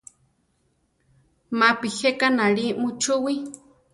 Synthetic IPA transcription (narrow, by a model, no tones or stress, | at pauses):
mapihekanaɺimut͡ʃʰuwi